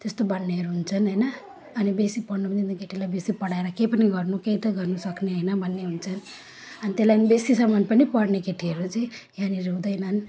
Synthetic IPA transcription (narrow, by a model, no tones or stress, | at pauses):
t̪est̪obʌɽːeʌɾuɦunt͡sʰʌnɦʌjnʌː | nibesipʌɽnupnint̪ikeʈʰilajbesipʌɽaeɾʌkejpʌniɡʌrnukejt̪ʌɡʌrnusʌkneɦʌjnʌbʱʌnːeɦunt͡sʰʌn | ʌnit̪elanibesisʌmʌnpʌnipʌɽnekeʈʰiʌɾut͡sʌĩjaniɾewd̪ʌjnʌn